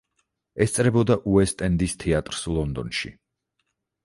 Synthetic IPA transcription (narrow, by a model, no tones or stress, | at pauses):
ɛst̪sʼɾɛbɔd̪aʔuɛst̪ʼɛnd̪ist̪ʰɛat̪ʼɾslˠɔnd̪ɔ̰nʃḭ